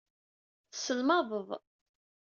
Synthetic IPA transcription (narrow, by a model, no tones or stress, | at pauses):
θə̥səlmɑðˤəðˤ